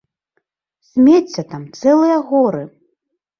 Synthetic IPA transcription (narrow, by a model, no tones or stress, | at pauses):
sʲmʲet͡sʲːɐt̪amt̪sɛlˠɨjɐɣɔɾɨ